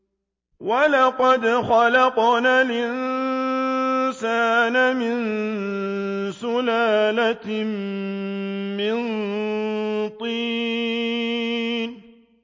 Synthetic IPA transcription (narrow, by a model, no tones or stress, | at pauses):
walaqɑd̪xɑlɑqnalʔɪn | saːnamɪn | sʊlaːlatm | mɪn | t̪ˤiː | n